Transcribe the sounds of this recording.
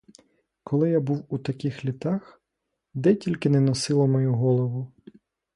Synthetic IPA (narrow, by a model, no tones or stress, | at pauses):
kʰɔlˠɪjabuwut̪ɐkɪxlʲit̪ɑx | d̪ɛtʲilʲkɪnɛnɔsɪlˠɔmɔjuɦɔlˠɔʋʊ